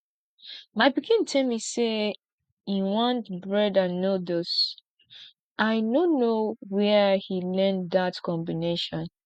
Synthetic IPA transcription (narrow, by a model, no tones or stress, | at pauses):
maɪbiɡĩntʰɛlmise | ĩnwʌ̃nbɹɛdanodos | ʔaɪnonowɛhilɛ̃ndatkʰɔ̃mbineʃɔ̃n